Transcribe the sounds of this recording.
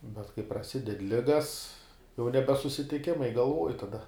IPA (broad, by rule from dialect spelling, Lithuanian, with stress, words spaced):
bʲɛt kɐɪ prɐˈsʲɪdʲɛt ˈlʲɪɡɐs jɛʊ ˈnʲæːbʲɛ sʊsʲɪtʲɪˈkʲɪmɐɪ ɡɐlˠˈʋuɔj tɐˈdɐ